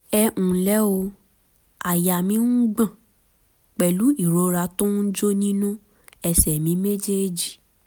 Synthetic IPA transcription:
ɛ˧ʔũ˨lɛ˦o˧ | a˨ja˨mĩ˧˦ŋ̩˦ɡ͡bã˦˨ | k͡pɛ˨lu˨˦i˦˨ɾo˨˧ɾa˧˦tõ˦n̩˦d͡ʒo˦nĩ˦nũ˦ | ɛ˧sɛ˨mĩ˨˦me˦d͡ʒe˦˨d͡ʒi˨

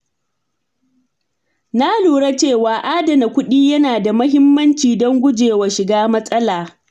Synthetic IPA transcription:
na˦luː˨ɽa˦t͡ʃeː˦˨waː˨ʔaː˦dɐ˨na˨kʷʊ˦ɗiː˦jɐ˦naː˨da˨mɐ˦hɦɪ˦mːɐ˦nt͡ʃiː˨dɔ˦ŋɡʷʊ˦d͡ʒeː˨wa˨ʃɪ˨ɡaː˦mɐ˦sʼɐ˦laː˨

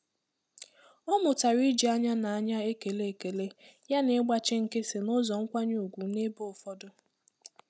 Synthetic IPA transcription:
ɔ˦mʊ˨ta˨ɾi˦d͡ʒi˨a˦ɲa˦na˨a˦ɲa˦e˦ke˨le˦e˨ke˨le˦ja˦ne˨˦ɡ͡ba˦t͡ʃɪ˦ŋ̩˨kɪ˦sɪ˨nʊ˦zɔ˨ŋ̩˦kʷa˦ɲu˦˨ɡʷu˨˦ne˦bo˦˨fɔ˦dʊ˦

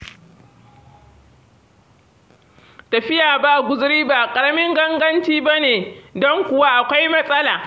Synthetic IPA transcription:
tɐ˨ɸɪ˦jaː˨ba˦˨ɡʷʊ˨zɾiː˦baː˨kʼɐ˨ɾɐ˦mɪ˦ŋɡɐ˦ŋɡɐ˦nt͡ʃiː˦ba˦neː˨dɔ˦ŋkʷʊ˨wa˦ʔa˨kʷa˦jmɐ˦sʼɐ˦laː˨

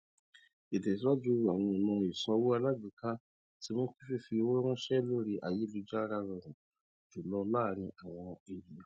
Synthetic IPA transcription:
e˨dɛ˨ti˨˦wa˦d͡ʒu˦ɾu˨a˨w̃ɔ̃˧˨mɔ̃˧i˨sɔ̃˧wo˦a˧la˦ɡũ˨ka˦ | ti˦mõ˦ki˦fe˦˨fi˧o˧˦wɛ˦w̃ɔ̃˦ʃɛ˦lo˦ɾi˧ʔa˨je˨˦lu˨˧˦d͡ʒa˦ɾa˧ɾɔ̃˧˨ɾ̃ũ˨ | d͡ʒu˨lɔ˧la˦˨nĩ˧˦ʔa˨w̃ɔ̃˧e˨ji˨ja˨

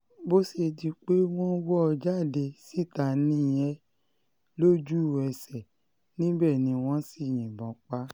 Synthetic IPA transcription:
bo˦se˧di˧k͡pe˦w̃ɔ̃˦wɔ˦ɔ˧d͡ʒa˦˨de˧si˦˨ta˨nĩ˦˨jɛ̃˨˦ | lo˦d͡ʒu˦˨ɛ˧˨sɛ˨ | nĩ˦bɛ˦˨nĩ˧w̃ɔ̃˦si˦˨j̃ɛ̃˨bɔ̃˨˦k͡pa˦

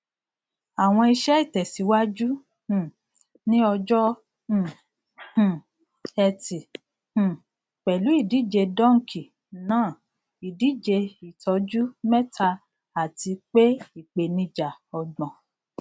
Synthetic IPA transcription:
a˨w̃ɔ̃˧i˧ʃɛ˦i˦˨tɛ˨si˨˦wa˦d͡ʒũ˦˨ | nĩ˦ɔ˧d͡ʒɔ̃˦˨ | ɛ˧tĩ˨ | k͡pɛ˨lu˨˦i˦˨di˨˦˨d͡ʒe˧dɔ̃˦˨ŋ̩˨kʰi˨ | nãː˦˨ | i˨di˨˦d͡ʒe˧i˨tɔ˨˧˦d͡ʒu˦mɛ˦tʰa˧ | a˨ti˧k͡pe˦i˨k͡pe˨nĩ˧d͡ʒa˨ɔ˨ɡ͡bɔ̃˨

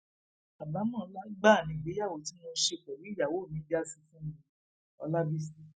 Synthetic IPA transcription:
a˨ba˨˦mɔ̃˦˨˧la˦ɡ͡ba˦˨nĩ˨ɡ͡be˨˦ja˦˨wo˨˦ti˨˦mõ˧˦ʃe˧˨k͡pɛ˨ɾi˨˦˨ja˨wo˨˦˨mĩ˨˦di˦a˦si˧fũ˦mĩ˧˦˧ | ɔ̰˧la˦bi˦si˦

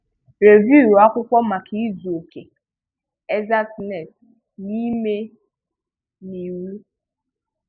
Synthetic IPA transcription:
ɾe˨vju˦˨ɾa˦kʷʊ˦kʷɔ˦ma˨kʰi˦zo˨ke˨ | e˦za˦sne˨t | ni˦me˦ | ni˨wu˦

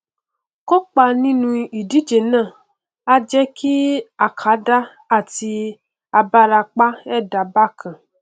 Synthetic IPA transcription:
ko˦k͡pa˧nĩ˦nũ˧i˨di˨˦d͡ʒe˨nãː˦˨ | a˧d͡ʒɛ˦kʰi˦a˨kʰa˨˦da˦ | a˦˨ti˧ | a˧ba˦ɾa˧k͡pa˦ɛ˦˨da˨˦ba˦˨kʰã˨

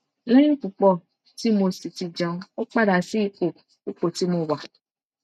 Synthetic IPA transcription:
lẽ˦k͡pu˨k͡pɔ˦˨ | ti˦mo˧si˨ti˨d͡ʒã˨˦o˦k͡pa˦ɾa˨si˦k͡po˨ | u˦k͡po˨ti˦mo˧˨wa˨

